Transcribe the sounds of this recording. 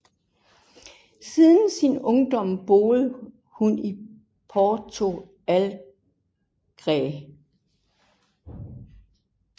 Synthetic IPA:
siðˠn̩sinɔ̽ŋd̥ɒ̽m̰b̥o̝ːð̩ˠə | huni | pʰɒːt͡sʰo̝ | æl | ɡ̥ʁɛ

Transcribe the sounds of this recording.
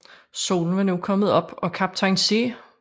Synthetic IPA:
so̝̰ːln̩ʋɑ̈nukʰɒ̽məð̩ˠɒ̽b̥ɒ̽kʰɑb̥̚t͡sʰɑɪnse

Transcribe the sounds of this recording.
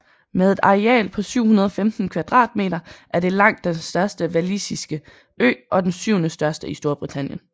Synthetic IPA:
meðˠe̝d̥ɑ̈ʁiɛ̰ːlpʰɒ̽syʊ̰hunɐð̞ˠɒ̽femd̥n̩kʰʋɑd̥ʁɑ̰̈ːd̥̚me̝̰ːɾɐʔæɐd̥e̝lɑ̈ŋ̰d̥ːensd̥ɶɐsd̥əʋælisisɡ̥ə | ø̰ːʔɒ̽d̥ensyʊnəsd̥ɶɐsd̥əisd̥o̝ɐb̥ʁit͡sʰænjən

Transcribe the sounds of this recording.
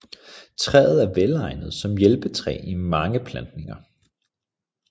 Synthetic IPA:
t͡sʰʁɛ̰ːð̞̩ˠæɐʋelɑ̈ɪ̰nəð̞̩ˠsɒ̽mjelb̥ət͡sʰʁɛ̰ːimɑ̈ŋəpʰlænd̥ne̝ŋɐ

